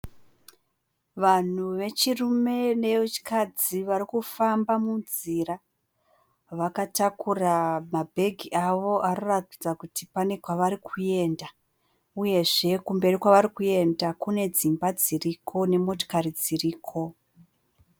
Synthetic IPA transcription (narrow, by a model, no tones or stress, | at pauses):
ʋan̤uʋe̞t͡ʃirume̞ne̞ut͡ʃi̥kad͡ziʋaɾikufambamunzira | ʋakatakuramabʱe̞ɡʱiʔaʋo̞ʔaɾoratid͡zakutipane̞kwaʋaɾikʰuje̞nda | uje̞ʐe̞kumbe̞rikwaʋaɾikuje̞ndakune̞d͡zimbad͡zirikʰo̞ne̞mo̞to̥karid͡ziriːkʰo̞